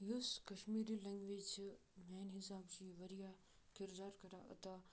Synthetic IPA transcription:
juskɐʃmiːɾilɛ̃ŋɡʋeːd͡ʒmɛːnɦɪsaːbd͡ʑiːʋɐɾija | kɪɾd̪aːɾkɐɾaʔɐ̰t̪a

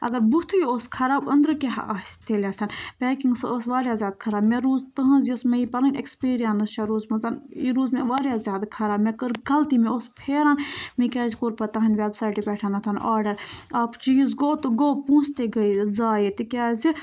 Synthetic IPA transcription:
ɐ̰ɡɐɾbut̪ʰujioːskʰɐɾaːbɐnd̪ɾɨkeɦst̪ʰelʲjat̪ʰɐnpɛːkĩŋɡsoːsʋaːɾjaːzʲjaːd̪̚kʰɐɾaːbmeɾuːzt̪ɐɦɐ̃nzosmejipɐlinʲḛkspiːɾijɐnɨst͡ʃʰaɾoːzmɐzɐniɾuːzmeʋaːɾjaːzʲjaːd̪kʰɐɾaːbmekəɾɡɐlt̪imẽoːspʰeːɾaːnmĩkʲaːzʲkoːɾpɐt̪aːɦɐnʲʋeːbsaːjʈipʲɛːʈʰant̪ʰɐnʔaːɾɖɐɾaːpʰt͡ʃiːzɡoːt̪ɨɡoːpũːst̪eɡɐizaːjit̪ikʲaːzi

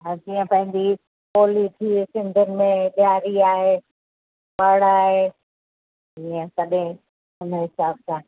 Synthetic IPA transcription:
ɦãd͡ʒiːə̃pɐ̃ɦɪ̃ɲ̆d͡ʑi | oːlit̪ʰiːsɪ̃nd̪ʱʊnɪ̆mẽɗjaːɾiaːɦeː | ɓaɽaːɦeː | iːə̃sɐɗẽ | ʊn̤əɦɪsaːb̚sã

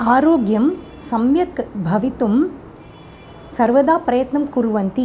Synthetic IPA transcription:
aːɾoːɡjɐm | sɐmjɐkbʱɐʋit̪um | sɐɾʋɐd̪aːpɾɐjɐt̪nɐmkuɾuʋɐnt̪i

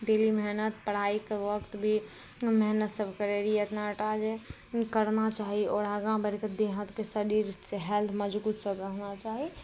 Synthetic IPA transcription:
ɖelimɛɦnət̪pəɽ̤aikeʋəkt̪bʱi | mɛɦnət̪səbʱkəɾeɾijət̪naʈad͡ʒe | kəɾnat͡ʃaɦiɔːɾaɡãbəɾked̪eɦət̪kesəɾiɾseɦɛlt̪ʰməd͡ʒbut̪səbɾəɦnat͡ʃaɦi

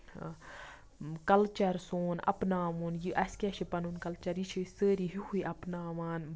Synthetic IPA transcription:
kɐlt͡ʃɐɾsoːnɐ̰pnaːmuːnjɨʔɐskʲaʃipɐnunkɐlt͡ʃɐɾit͡ʃʰisəːɾiɦihʰuiʔɐpnaːʋaːn

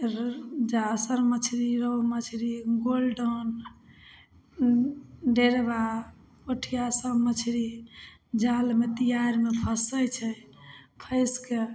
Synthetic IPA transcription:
d͡ʒasəɾmət͡ʃʰɾiɾəwmət͡ʃʰɾiɡolɖon | ɖeɾba | oʈʰijasəbmət͡ʃʰɾi | d͡ʒalmet̪ijaɾmepʰəsəjt͡ʃʰɛpʰəɪske

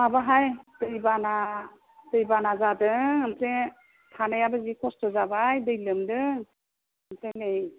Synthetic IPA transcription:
mabaɦajd̥ɯjbana | dɯjbanazadɯŋɯmte | tʰanajabazikʰɔstɔzabajdɯjlɯmdɯŋ | ɯmtenɯj

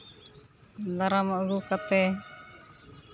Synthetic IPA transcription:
d̪aɾamaɡukat̪ɛ

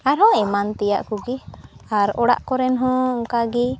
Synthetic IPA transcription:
aɾɦɔ̃ɛmant̪ɛja̰ʔkuɡiaɾɔɽa̰ʔkɔɾɛnɦɔ̃ɔŋkaɡi

